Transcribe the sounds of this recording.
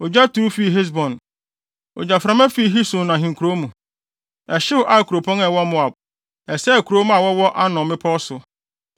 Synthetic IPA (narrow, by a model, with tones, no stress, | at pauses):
o˨d͡ʑa˦tʰu˦fi˦˨ɦe˦s̬bɔ̃˨n | o̰˨d͡ʑa˨fɾã˦mã˦fi˦˨ɦi˦sʊ̃˨nã˨ɦĩ˨ŋkʰu˨ɾo˦mũ˨ | ɛ˨ɕɪ˦ʊ˦ʔa˨kʰu˨ɾo˨pʰɔ̃˦ŋɛ˨wɔ˦mʊ̃˦a˨b̚ | ɛ˨sɛ˦˨kʰu˨ɾo˦m̃˦a˨wɔ˦wɔ˦ʔa˦nɔ̃˨mɪ̃˦pʰɔ˦sʊ˨